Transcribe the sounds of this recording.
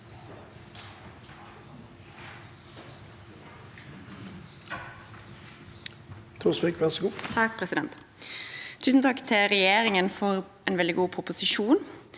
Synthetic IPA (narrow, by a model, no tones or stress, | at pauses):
t̪ʰuːsʋikʋæʁsɔɡuːt̪ʰɑk̚pʰʁɛsɪd̪ɛnt̪ʰ | ʉːsn̩t̪ʰɑkt̪ʰɪʁɛjeːʁɪŋənfɔʁ | eːnʋɛld̪ɪɡuːpʰʁʊpʊsɪʃuːn